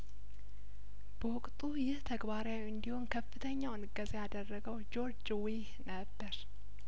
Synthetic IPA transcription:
bəwʊkʼt̪ʼujɪht̪ʰəɡbaɾjawiɨnd̪ihonkʰəfːɨt̪ʰəɲːawɨnɨɡːəzejad̪ərːəɡəwd͡ʒo̞ɾd͡ʒwihnəbːəɾ

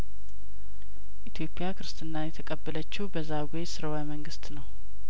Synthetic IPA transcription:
ʔit̪ʰjo̞pʼjakʰɨɾɨst̪ʰɨnːajɛt̪ʰəkʼəbːələt͡ʃːuhbəzːaɡujesɨɾəwaməŋɡɨst̪nəw

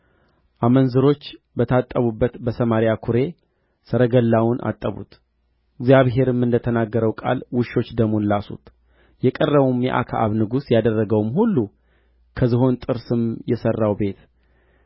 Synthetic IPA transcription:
ʔamənzɨɾo̞t͡ʃː | bət̪ʰat̪ʼːəβubːət̪bəsəmaɾjakʰuɾe̞ | sɨɾəɡəlːawʊnʔa̰t̪ʼːəβṵt̪ | ɪɡzjaβɦe̞ɾɨmːɨnd̪ət̪ʰənaɡːəɾəwkʼa̰lwʊʃːo̞t͡ʃːd̪əmonlasṵt̪ | jɛkʼərːəβumjɛ̰ʔa̰kʰaa̰βnɨɡusjad̪ərːəɡəwmhulːu | kʰəzɨɦo̞nt̪ʼɨɾsɨmjɛsərːawbe̞t̪

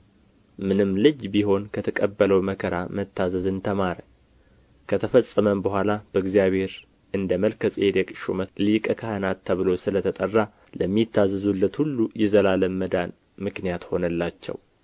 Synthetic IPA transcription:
mɨnɨmlɨd͡ʒbiɦo̞nkʰət̪ʰəkʼəbːələwməkʰəɾamət̪ʰːazəzɨnt̪ʰəmaɾə | kʰət̪ʰəfəsʼəməmbəhʷalab̥əɨɡzijaβhe̞ɾ | ʔɨnd̪əməlkʰəsʼed̪ɛkʼɨʃṵməlikʼəkʰahɨnat̪ʰːəβɨlo̞sɨlət̪ʰət̪ʼərːa | ləmːit̪ːazɨzulːət̪hulːujɛzəlaləmːəd̪an | mɨknijat̪ho̞nəlːat͡ʃːɛ̰w

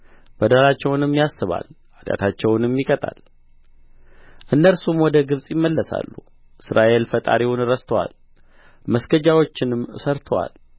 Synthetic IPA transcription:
b̥əd̪alat͡ʃːɛwnɨmjasːɨβa̰l | ad̪a̰t̪ʰat͡ʃːɛwnɨmjɪkʼət̪ʼa̰l | ʔɨnːəlsumwɔd̪əɡɨβsʼjɪmːəlːəsa̰lːṵ | ʔɨsɾaʔe̞lfət̪ʼa̰ɾiwunɨɾəst̪ʰəwa̰l | məsɡəd͡ʒawo̞t͡ʃːɪnɨmsəɾt̪ʰəwa̰l

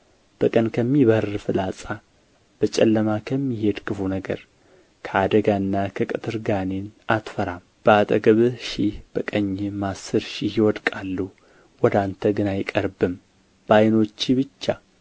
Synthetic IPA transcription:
b̥əkʼənkʰəmːiβərɨfɨlasʼa | b̥ət͡ʃʼɛlːəmakʰəmːihe̞d̪kʰɨfunəɡə̰ɾ | kʰəad̪əɡaɨnːakʰəkʼɨt̪ʰɨɾɡanenat̪fəɾam | b̥əat̪ʼəɡəβɨʃihb̥əkʼəɲːɪmasɨɾʃihjɪwɔd̪kʼalːu | wɔd̪ant̪ʰəɡɨnajɪkʼəɾbɨm | b̥ajno̞t͡ʃːiβɨt͡ʃːa

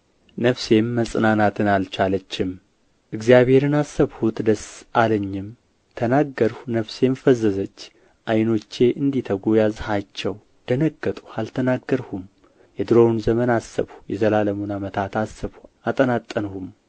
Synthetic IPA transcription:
nəfse̞mːəsʼnanat̪ʰɨnalt͡ʃalət͡ʃːɪm | ʔɨɡzijaβhe̞ɾɨnasːəβhut̪d̪əsʔaləɲːɪm | t̪ʰənaɡːəɾhunəfse̞mfəzːəzət͡ʃː | ʔajno̞t͡ʃːe̞ʔɨnd̪it̪ʰəɡojazhat͡ʃːɛw | d̪̥ənəɡːət̪ʼu̥alt̪ʰənaɡːəɾhum | jɛd̪ɨɾo̞wnzəmənasːə̰βhujɛzəlaləmunamət̪ʰat̪asːəβhuat̪ʼənat̪ʼːənhum

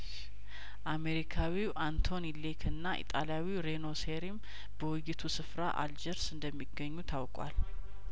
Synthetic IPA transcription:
ʔame̞ɾikʰawiʔant̪ʰo̞nilekʰɨnːaʔḭt̪ʼaljawiɾe̞no̞seɾim | bəwʊjɪt̪ʰusɨfɾaʔa̰ld͡ʒəɾsɨnd̪əmːiɡəɲːut̪ʰawkʼwa̰l

